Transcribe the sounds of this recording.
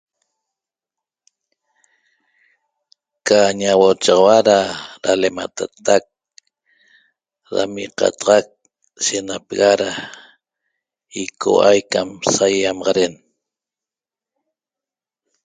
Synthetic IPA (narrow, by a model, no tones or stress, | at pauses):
kaɲawot͡ʃɑʁɑwaɾaɾalemat̪at̪ak̚ | ɾa̰miqɑ̰t̪ɑʁɑk̚ | ʃenapeɣaɾa | ikʰo̰ʔajkamsajamɑʁɑɾen